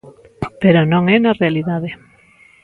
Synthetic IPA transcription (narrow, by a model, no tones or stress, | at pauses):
peɾonõŋɛnɐrealiðaðe